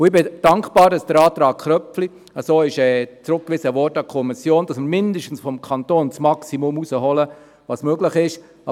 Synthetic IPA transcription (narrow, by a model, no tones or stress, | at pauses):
ʊɪbɪd̥ɑŋkb̥ɑːɾdɑsd̥əɾɑːt̪ɾɑːkχɾœpfli | əsoːɪʃɛːt͡sɾʊk̚kʋɪsəvɔrtɑkʰɔmɪsjoːnd̥ɑsməɾmɪndəʃtn̩sfɔmkʰɑntoːnt͡smɑksimʊmusəɦɔlə | ʋɑːsmøɡlɪχɪʃ | ɑ